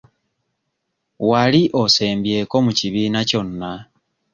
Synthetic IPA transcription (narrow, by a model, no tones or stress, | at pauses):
waliʔo̞se̞ːmbje̞ːko̞muciβiːnaco̞nːa